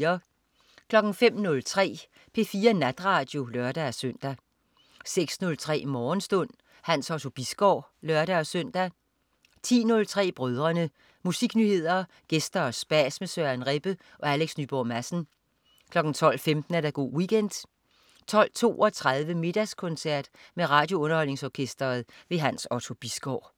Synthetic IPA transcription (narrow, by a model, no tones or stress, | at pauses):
ɐ | kʰlɒ̽ɡ̥n̩fem̰nɔ̽lt͡sʰʁɛ̰ː | pʰe̝fiːɐnæd̥ʁɑ̈ːd̥jo̝lɶɐd̥æɒsøn̰d̥æ | seɡ̥snɔ̽lt͡sʰʁɛ̰ːmɒːn̩sd̥ɔ̽n̰ | hæn̰sɒ̽t͡sʰo̝b̥isɡ̥ɒʊ̰lɶɐɾ̥æɒ̽søn̰d̥æ | t͡sʰḭːnɔ̽lt͡sʰʁɛ̰ːb̥ʁœð̞ˠʁɐnə | musiɡ̥nyhe̝ð̞̰ˠɐ | ɡ̥esd̥ɐːsb̥æsmesøænʁeb̥ə | ʔɒ̽æleɡ̥snyːb̥ɒmæsn̩ | kʰlɒ̽ɡ̥n̩t͡sʰɒ̽l̰femd̥n̩æɐɾæɡ̥o̝̰ːwiɡ̥ʰen̰d̥ | t͡sʰɒ̽l̰t͡sʰo̝̰ːʔɒ̽t͡sʰʁað̞ˠʋəme̝d̥æskʰɔ̽nsæɐ̰d̥meʁɑ̈ːd̥jo̝ɔ̽nɐhɒ̽l̰ne̝ŋsɒːkʰesd̥ɐːðˠʋe̝ɦænsɒt͡sʰo̝b̥isɡ̥ɒʊ̰